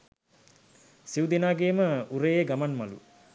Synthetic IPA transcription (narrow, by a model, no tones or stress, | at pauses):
siwud̪inaːɡeːməuɾejeɡamanmalṵ